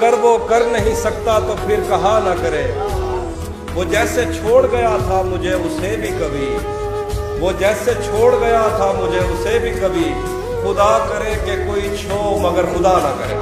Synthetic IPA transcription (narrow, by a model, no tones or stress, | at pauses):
ɐɡəɾʋokɐɾnɐɦĩsɐk̚t̪at̪opʰɪɾkɐɦãnɐkɐɾeː | ʋoːd͡ʒɛːset͡ʃʰoːɽɡɐjat̪ʰamʊd͡ʒʱeʊsebʱikɐbʱi | ʋod͡ʒɛːset͡ʃʰoːɽɡɐjat̪ʰamʊd͡ʒʱeʊsebʱikɐbʱi | xʊd̪akɐɾekekoːit͡ʃʰoːmɐɡəɾxʊd̪anɐkɐɾḛː